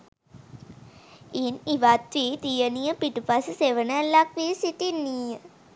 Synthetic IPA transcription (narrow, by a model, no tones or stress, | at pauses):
iniʋat̪ʋiːt̪ijənijəpiʈupasəseʋənəlːakʋisiʈinːiːjə